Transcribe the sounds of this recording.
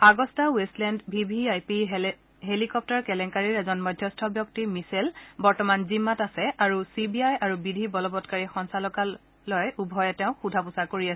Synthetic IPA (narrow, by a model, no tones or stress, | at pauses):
aɡɔstawestlɛndbʱibʱiajpiɦ | ɦelikɔp̚taɹkɛlɛŋkaɹiɹɛzɔnmɔjdʱjɔstʰɔbjɔk̚timiselbɔɹtɔmanzimːatasɛaɹusibiajaɹubidʱibɔlɔbɔtkaɹixɔnsalɔkalː | ɔjubʱɔjɛtɛʊ̃xudʱapʊsaɹkoɹiasɛ